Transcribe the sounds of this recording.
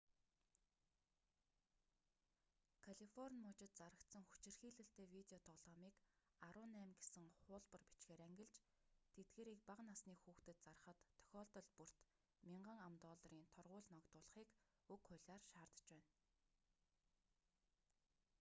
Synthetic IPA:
kʰaɮifɔrnʲmʊːt͡ɕɪ̆t̪̚t͡saɾə̆kt̪sə̆ŋxu̥t͡ɕɪ̆rxiːɮɘ̆ɬt̪eːwit̪eɔt̪ʰɔɮɔːmiːk | aɾʊːnːæːmɡesɘ̆ŋχʊːɮpə̆rpi̥t͡ɕɡeːɾæŋɡʲɪ̆ɮt͡ɕ | t̪ʰet̪̚ɡeːɾiːk̚paqnasniːxuːxt̪ɘ̆t̪̚t͡sarə̆χə̆t̪ʰːœ̥xʲɔːɮt̪ɞ̆ɮpur̥t̪ | mʲiɴɢə̆ŋamt̪ɔːɮriːnt̪ʰɔrʁʊːɮnɔkt̪ʊːɮ̆χiːk | ɵkχʊɮʲaːrʃaːrt̪ə̥̆t͡ɕpæːn

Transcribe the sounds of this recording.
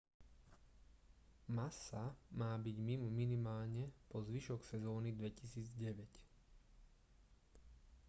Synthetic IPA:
masamaːbiɟmimɔminimaːlɲɛpɔzʋiʃɔksɛzɔːnid̪ʋɛcisiːd͡zɟɛʋɛc

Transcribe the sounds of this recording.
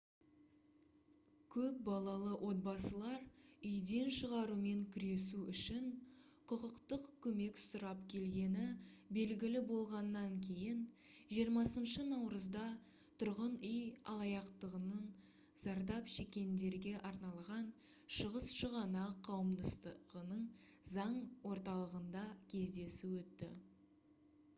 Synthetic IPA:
kʲʰɵp̚bɑlˠɑlˠəwʔo̞t̪̚bɑsəlˠɑɾʏjd̪e̞nʃəʁɑɾume̞ŋkʲʰʏɾe̞suʏʃɪn | qʰʊqəqt̪əqkʲʰɵme̞ksʊɾɑpkʲʰe̞lɡʲe̞nɪbe̞lɡʲɪlɪbo̞lˠʁɑnːɑŋkʲʰe̞jɪn | ʒijəɾmɑsənʃənɑwɾəzd̪ɑ | t̪ʰʊɾʁənʏjɑ̰lˠɑjɑqt̪əʁənən | z̥ɑɾd̪ɑpʃe̞kʲe̞nd̪e̞ɾɡʲe̞ʔɑɾnɑlˠʁɑn | ʃəʁəsʃəʁɑnɑqʰɑwəmd̪ɑst̪əʁənəɴzɑɴwo̞ɾt̪ɑlˠəʁənd̪ɑkʲʰe̞zd̪e̞suwɵt̪ːɪ̰

